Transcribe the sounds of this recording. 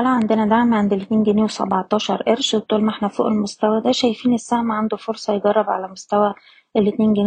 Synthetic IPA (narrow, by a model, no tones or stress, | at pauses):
ælæʕand̪enæd̪aʕmiʕand̪elːet̪neːnɡæneːwesæ̰bɑʕt̪ˤɑːʃɑɾˤʔeɾʃet̪ˤːolmʔeħnæfo̰ːʔelmost̪æwæd̪æːʃæjfiːnesːæhmæʕand̪ofoɾsˤɑjeɡɑrˤːɑbʕa̰læmost̪æwæ | elːet̪neːnɡæn